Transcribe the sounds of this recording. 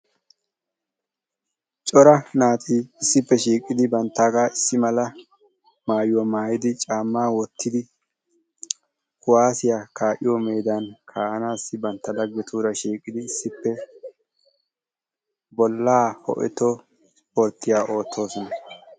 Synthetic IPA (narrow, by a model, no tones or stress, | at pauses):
t͡ʃʼɔɾɐnaːt̪ʼiːɪsːɪpːɛʃiːkʼːɪd̪ɪbɐnt̪ːaːɡaːɪsːɪmɐlɐ | maːjwɔmaːjɪd̪ɪt͡ʃʼaːmːaːwɔt̪ʰːɪd̪ɪ | kʊwaːsɪjakaːʔɪjɔme̞ːd̪ankʰaːʔɐnaːsːɪbɐnt̪ːɐd̪ɐɡːɛt̪ʰuːɾɐʃiːkʼːɪd̪ɪːsːɪpːɛ | bɔlːaːhɔ̰ʔɛ̰t̪ːɔ | ɔɾt̪ːɪjaːʔo̞ːt̪ʰːo̞ːsɔnɐ